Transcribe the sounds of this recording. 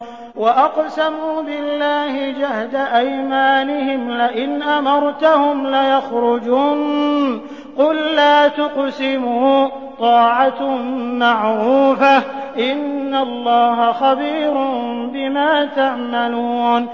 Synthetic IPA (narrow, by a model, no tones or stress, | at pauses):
waʔɑqsamuːbɪlːaːhɪd͡ʒahd̪aʔajmaːnɪhɪmlɪʔɪnʔamɑɾˤt̪ahʊmlajaxɾʊd͡ʒuːn | qʊlːaːt̪ʊqsɪmuː | t̪ˤɑːʕamaʕɾuːfaʔɪnːalˤːɑːhaxabiːɾʊmbɪmaːt̪aʕmaluːn